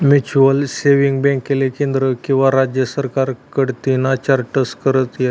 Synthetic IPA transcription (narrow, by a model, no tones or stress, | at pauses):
mut͡ɕuəlseʋiŋɡbɛ̃ŋkːelekẽnd̪ɾəkĩw̃ʋaɾad͡ʑjəsəɾkaɾkəɽt̪inat͡ɕaɾʈəskəɾət̪je